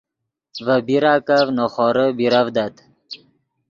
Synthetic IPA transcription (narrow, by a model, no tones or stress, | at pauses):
vəbiɾaːkavnoχɔɾəbiɾavd̪at̪